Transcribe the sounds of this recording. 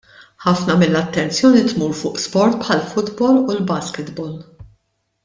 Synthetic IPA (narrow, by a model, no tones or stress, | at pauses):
ħɐfnɐmɪlːɐt̪ːɛnt͡sjɔːnit̪muːɾfʊːʔspɔɾt̪̚pħɐlfʊd̪bɔːlulbɐskɪt̪bɔːl